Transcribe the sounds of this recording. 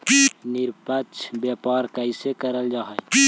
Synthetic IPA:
niɾpət͡ʃʰbjapaɾkəɪsekəɾəld͡ʒaɦɛj

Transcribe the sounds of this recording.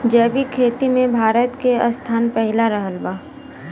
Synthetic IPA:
d͡ʒɛːʋikʰeːt̪imẽbʱaːɾət̪keəst̪ʰaːnpəɦɪlaɾəɦəlbaː

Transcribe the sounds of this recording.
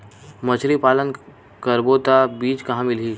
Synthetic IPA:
mət͡ʃʰɾipaːlən | kəɾbot̪abiːt͡ʃkɐɦãmɪlɦiː

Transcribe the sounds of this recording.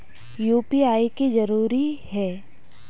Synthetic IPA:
juːpiaːikizɐɾuːɾihɛː

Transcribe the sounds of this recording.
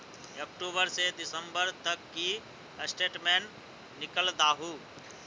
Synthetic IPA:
ɔːkʈuːbəɾsed̪ɪsə̃mbəɾt̪əkːi | sʈeːʈmeːnː | ɪkəld̪aːɦuː

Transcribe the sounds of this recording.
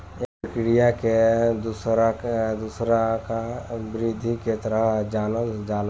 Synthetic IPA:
epɾəkɾijaked̪usɾad̪usɾakabɪɾid̪ʱiket̪əɾəd͡ʒaːnəld͡ʒaːl

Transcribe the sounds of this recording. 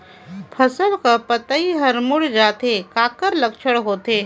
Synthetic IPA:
pʰɐsəʋkapɐt̪ːiɦɐɾmʊɽd͡ʒaːt̪ekaːkəɾlɐkʃʰəɽɦoːt̪eː

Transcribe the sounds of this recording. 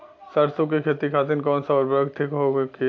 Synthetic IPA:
sɐɾsõk̬ekʰeːt̪ikʰaːt̪inkɔːnsaɔɾboɡt̪ʰikɦoki

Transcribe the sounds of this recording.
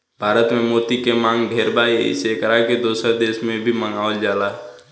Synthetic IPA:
bʱaːɾət̪mẽmoːt̪ikemãːŋɡɖʱeːɾbaːeɪ̰sekəɾaked̪oːsəɾd̪eːʃmẽbʱimə̃ŋɡaːəld͡ʒaːlaː

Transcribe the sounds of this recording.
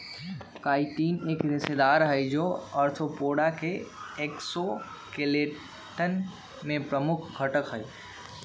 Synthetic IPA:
kaːiʈiːneːkɾɪsed̪aːɾɦəjd͡ʒoːəɾt̪ʰopoːɽakeekso | keleː | ʈən | mẽpɾəmʊkʰɡʱəʈəkɦəi

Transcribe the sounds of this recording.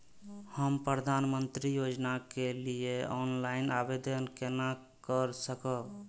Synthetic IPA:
həmpɾəd̪ʱanmənt̪ɾijod͡ʒnakelieɔnlaɪnabed̪ənkena | kəɾsəkəb

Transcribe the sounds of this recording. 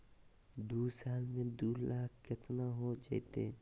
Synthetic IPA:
d̪uːsaːlmẽd̪uːlaːkkɪt̪naɦod͡ʒa̰ɪt̪ḛ

